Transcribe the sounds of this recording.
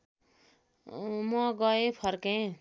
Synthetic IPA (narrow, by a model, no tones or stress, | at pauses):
mʌɡʌepʰʌrkẽ